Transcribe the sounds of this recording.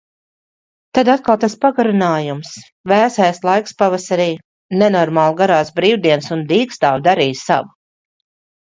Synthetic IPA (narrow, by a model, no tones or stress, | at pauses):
t̪ad̪at̪̚kalˠt̪aspaɡaɾunaːjums | væːsajslˠajkspavasaɾiː | nɛnɔɾmaːlˠɡaɾaːsbɾiːwd̪iɛnsund̪iːkst̪aːwd̪aɾiːsa̰vu